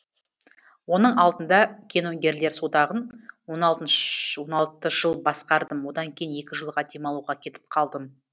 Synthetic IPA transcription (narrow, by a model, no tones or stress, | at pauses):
wo̞nəɴɑlˠd̪ənd̪ɑkʲʰe̞nɵŋɡʲe̞ɾle̞ɾsod̪ɑʁənwonɑlˠt̪ənwonɑlˠt̪əʒ̥əlˠbɑsqɑɾd̪əmwo̞d̪ɑŋkʲʰe̞jne̞kʲɪʒəlˠʁɑd̪e̞mɑlˠuʁɑkʲʰe̞t̪ɪ̥p̚qʰɑlˠd̪əm